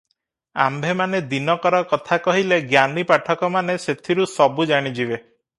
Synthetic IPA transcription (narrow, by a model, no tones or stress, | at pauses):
a̰mbʱemaned̪inɔkɔɾɔkɔt̪ʰakɔɦileɡjanipaʈʰɔkɔmaneset̪ʰiɾusɔbud͡ʒaɽ̃id͡ʒibe